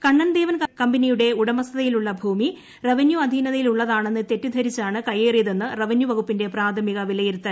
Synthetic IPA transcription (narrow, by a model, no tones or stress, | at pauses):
kɐɳːɐnd̪eːʋɐnkɐmbɐnijuɽe̞uɽɐmɐsɐðɐjiluɭːɐbʱuːmi | reʋɐnjuɐd̪ʱiːnɐðɐjiluɭːɐðaːɳe̞nːɨt̪e̞tːud̪ʱɐɾit͡ɕːaːɳɨkɐjeːrijɐðe̞nːɨrɐʋɐnjuʋɐɣupːinde̞praːd̪ʰʱɐmiɣɐʋilɐjiɾut̪ːɐ